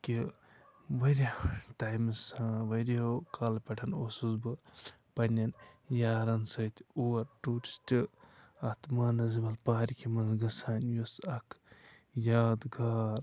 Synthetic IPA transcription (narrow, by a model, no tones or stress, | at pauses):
ki | ʋɐɾʲaʈajmsãʋɐɾokʰalpɐʈʰɐnoːsuzbɨ | pɐnʲɐnjaːɾɐnsɐt̪ʲʰuːɾʈuːʈi̥sʈɨɐt̪maːnɐzibɐlpaːɾʲikʰimɐnzɡɐsanjosɐkʰ | jaːd̪ɡaːɾ